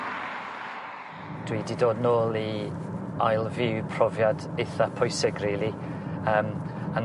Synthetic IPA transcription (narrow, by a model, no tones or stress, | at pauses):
d̥wiːdidoːdnoːlˠi | ajlˠvɪwpʰrɔvjadejθapʰɔjsɪɡreːlˠiəːm | an